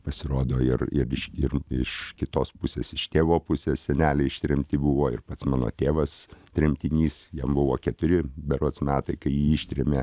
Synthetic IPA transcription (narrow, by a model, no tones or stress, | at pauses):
pɐsʲɪɾoːd̪oːɪrɪɾɪʃɪrɪʃkʲɪt̪oːspʊsʲeːsɪʃt̪ʲeːʋoːpʊsʲeːssʲɛnʲæːlʲɛɪɪʃʲt̪ʲɾʲɛmʲt̪ʲɪbʊʋoːɪ̰rpɐt̪smɑːno̰ːt̪ʲeːʋɐst̪ʲɾʲɛmʲt̪ʲɪnʲiːsjɛmbʊʋoːkʲɛt̪ʊɾʲɪbʲɛɾot̪smʲæːt̪ɐɪkɐɪjiːɪʃʲt̪ʲɾʲɛmʲeː